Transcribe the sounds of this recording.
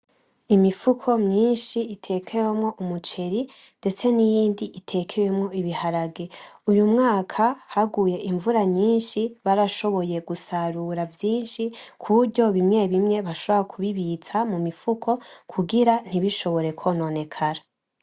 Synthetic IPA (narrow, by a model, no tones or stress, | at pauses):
imifukʰo̞mɲiːnʃiːtʰe̞kʰe̞we̞mŋo̞ʔumut͡ʃe̞ɾi | nde̞t͡se̞nijiːndiʔitʰe̞kʰe̞wemŋo̞iβihaɾaɡe̞ujumŋaːkʰahaɡuːje̞ʔiɱvuɾaɲiːnʃiβaɾaʃo̞βo̞je̞ɡusaɾuɾavjiːnʃikʰuɾɟo̞βimŋe̞βimŋe̞βaʃo̞βoɾakʰuβiβit͡samumifukʰo̞kʰuɡiɾan̥iβiʃo̞βo̞ɾe̞kʰo̞ːno̞ne̞kʰaɾa